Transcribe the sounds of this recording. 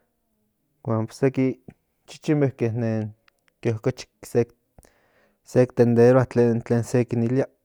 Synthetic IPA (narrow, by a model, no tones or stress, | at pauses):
wanpo̥seki | t͡ʃi̥t͡ʃimehkehnen | keohkot͡ʃi̥kse | sek̚t̪end̪eɾoaht͡ɬent͡ɬeːnsekinilia